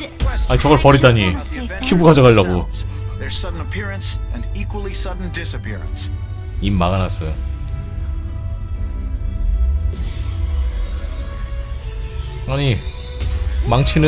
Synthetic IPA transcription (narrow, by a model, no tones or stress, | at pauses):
aɲit͡ɕʌɡʌɭpʌɾit͈aɲi | kʰjubuɡad͡ʑʌɡaʎːaɡo | ðə˞z̥sʌdⁿn̩əpʰɪɹɨ̃nsʔɨ̃nikwəl̩ˠisʌdⁿn̩dɪsɨpʰɪɹɨ̰̃ns | imːaɡanas͈ɯ | aɲi | maŋt͡ɕʰinɯ